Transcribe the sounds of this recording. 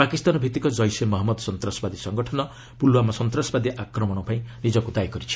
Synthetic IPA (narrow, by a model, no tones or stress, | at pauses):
pakist̪anɔbʱit̪ikɔd͡ʒɔjsemɔɦɔmɔd̪sɔnt̪ɾasɔbad̪isɔŋɡɔʈʰɔnɔ | pulwamasɔnt̪ɾasɔbad̪iʔakɾɔmɔɽ̃ɔpaĩnid͡ʒɔkud̪ajkɔɾit͡ʃʰi̥